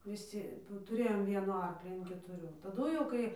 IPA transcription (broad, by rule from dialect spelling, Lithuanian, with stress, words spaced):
ʋʲɪˈsʲɪ tʊˈrʲeːjoːm ˈʋʲiɛnuː ˈɐrklʲiː ɐn kʲɛtʊˈrʲuː tɐˈdʊ jɛʊ ˈkɐɪ